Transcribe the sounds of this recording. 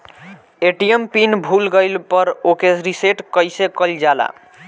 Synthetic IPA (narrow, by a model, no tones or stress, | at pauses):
eʈijempinbʱulɡəjlpəɾokesɾiseʈkəjsekəld͡ʒala̰